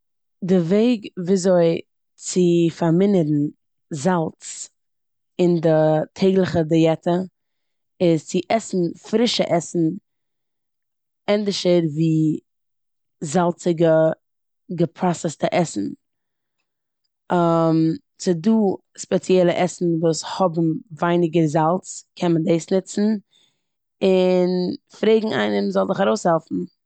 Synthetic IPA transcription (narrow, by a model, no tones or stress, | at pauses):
dɪveɪɡviːzoɪ | t͡sɪfaɾmɪnəɾn̩ | zalˠt͡s | ɪndɪtʰeɪɡlˠəχədɛjɛtə | ɪzt͡sɪʔɛsn̩fɾɪʃə̰ʔɛsn̩ | ɛndɪʃəɾviː | zalˠt͡sɪɡə | ɡəpʰɾasɛstaʔɛsn̩ | am | t͡sɪduː | spɛt͡sjɛlˠəʔɛsn̩vuːshɔbm̩vaɪnɪɡəɾzalˠt͡skʰɛnməndeɪsnɪt͡sn̩ | ɪnfɾeɪɡŋ̩ʔa̰ɪnəmzɔlˠzɪχaɾoʊshɛlˠfn̩